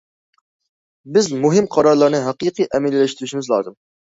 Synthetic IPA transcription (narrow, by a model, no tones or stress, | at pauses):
bɪzmuɦɪmqʰɑɾɑɾlˠɑɾnɨɦæqɨqɨjʔɛmɪlːɪlɛʃt̪ɾyʃimɪzlˠɑ̰ːzɨm